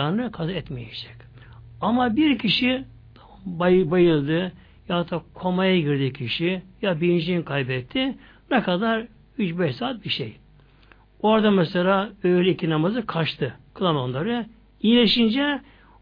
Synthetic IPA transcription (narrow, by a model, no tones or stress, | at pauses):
aɾnɯkʰazaɛt̪mejɛd͡ʒɛ̥c | amabiɾcʰiʃi | t̪ʰ | bjbajɯlˠd̪ɯ | jat̪ʰːakʰo̞majaɡiɾd̪icʲʰiʃijabiind͡ʒinkʰajbɛt̪ʰːɪ | nɛkad̪aɾ | yt͡ʃbɛʃsaːt̪̚biʃḛj | o̞ɾd̪amɛselʲaːøjlʲɛicʰinamazɯkʰaʃt̪ʰɯkʰlˠamonlˠaɾɯ | ijlʲeʃind͡ʒɛ